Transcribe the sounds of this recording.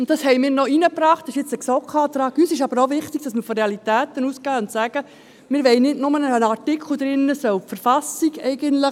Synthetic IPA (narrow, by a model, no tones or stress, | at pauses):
ʊnt̚tɑshɛɪmɪːɾnɔinəpɾɑːχtɪʃɪt͡səksɔkʰɑːt̪ɾɑːɡysɪʃɑb̥əɾoʋɪχtiɡ̥̚d̥ɑsmɪɾfɔɾeɑlit̪æːt̪ənuːskæːʊntsæɡ̥ə | mɪːɾʋɛɪnɪdnʊmənəənɑrtɪkʰl̩ˠd̪ɾɪnːəsœwfəɾfɑsiɡɛɪɡəntlə